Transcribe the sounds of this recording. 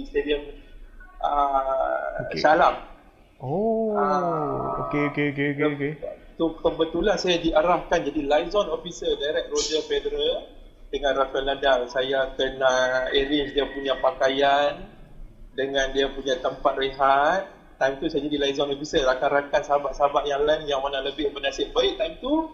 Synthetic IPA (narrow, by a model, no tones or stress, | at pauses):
ist̪ediəm | ʔə | salam | oao̰keokeokeokket̪ut̪əbət̪ulansajadiʔaɾahkand͡ʒadilajzɔnofisədajɾɛk̚rod͡ʒəfedɾə | dəŋãnrafkənladamsajakənaeɾɪt͡ʃdiapuɲãpakajan | dəŋãndiapuɲat̪əmpat̪̚reɦat̪̚ːajmt̪usajad͡ʒadilaizɔnofisəɾakaɾakansaɦabaʔsaɦabaʔjaŋlanjaŋmənahləbɪhbənasɪʔ̚baɪʔt̪aimt̪u